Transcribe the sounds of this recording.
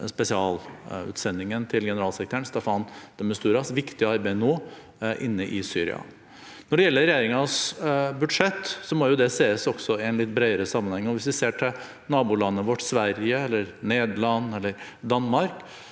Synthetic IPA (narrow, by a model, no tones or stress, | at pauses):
spɛsɪɑːlʉ̰ːt̪sɛnd̪ɪŋənt̪ʰɪlɡɛnəɾɑːlsɛɾkɾt̪ʰæːɳst̪ɛfɑnd̪̥ɛməst̪ʉːɾɑsʋɪkt̪ɪəɑɾbæɪnoː | ʔɪnːəʔɪsyːɾɪ̰ɑ̰ | nɔɖɛjɛlːəɾɛjeːɾɪŋɑsbʉd̪ʂɛt̪ːsɔmɔɾjʊd̪ɛseːəsɔɡ̥sɔɪɛnlɪt̪ːbɾeɪəɾəsɑmːənhɛŋːɔʋɪsʋɪseːʈʰɪl | nɑːbulɑnːəʋɔʈːsʋæɾɪjəɛlːəɾneːd̪lɑnːɛlːəɾ | d̪ɑnmɑɾk